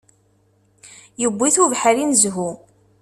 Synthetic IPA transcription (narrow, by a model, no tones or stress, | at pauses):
jəbʷːiθuvħəɾinzɦu